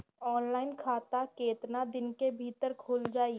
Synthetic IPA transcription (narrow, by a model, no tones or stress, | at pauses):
ɔːnlaːɪnkʰaːt̪akeːt̪nad̪ɪnkebʱiːt̪əɾkʰoːld͡ʒaːi